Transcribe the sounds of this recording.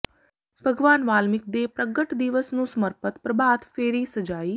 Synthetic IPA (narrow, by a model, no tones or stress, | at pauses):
bʱəɡʋaːnʋaːlmɪk̚d̪eːpɾəɡəʈd̪ɪʋəsnũːsəməɾpət̪pɾəbʱaːd̪feːɾiːsəd͡ʒaːiː